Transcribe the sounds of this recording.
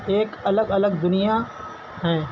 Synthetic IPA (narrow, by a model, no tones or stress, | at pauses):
eːkɐləɡɐləɡd̪ʊnija | ɦɛ̃ː